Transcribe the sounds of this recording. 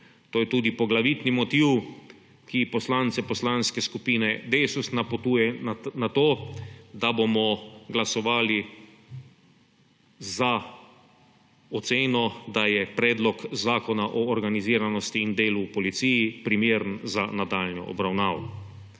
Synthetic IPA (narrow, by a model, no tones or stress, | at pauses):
t̪oːjɛt̪uːd̪ipɔɡlaʋit̪nimɔt̪iw | kipɔslant̪sɛpɔslanskɛskupiːnɛd̪esusnapɔt̪uːjɛnat̪oːd̪abomɔɡlasɔʋaːli | za | ɔt̪seːnɔd̪ajɛpɾɛːd̪lɔkzaːkɔnaʔɔɔɾɡaniziːɾanɔst̪iːnd̪eːlupɔlit̪siːjipɾimeːɾnzanad̪aːlnɔ̰ʔɔ̰bɾawnaːʋɔ